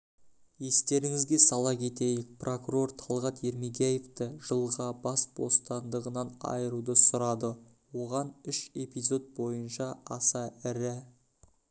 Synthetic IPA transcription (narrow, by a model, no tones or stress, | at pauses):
je̞st̪e̞ɾɪŋɪzɡʲe̞sɑlˠɑkʲʰe̞t̪e̞jɪk̚prʔo̞kuɾo̞rt̪ʰɑlˠʁɑt̪e̞ɾmeɡʲeje̞ft̪ɪʒ̥əlˠʁɑbɑsb̥o̞̰st̪ɑnd̪əʁənɑnɑ̰jəɾud̪əsʊɾɑd̪ə | wo̞ʁɑnʏʃe̞pijzo̞d̪̚bo̞jənʃɑɑsɑɪɾɪ